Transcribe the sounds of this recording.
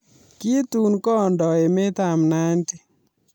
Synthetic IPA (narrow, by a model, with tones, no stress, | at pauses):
ki˦t̪u˨nkɔ˦ndɔ˨e˨me˦t̪a˨mna˦nti˦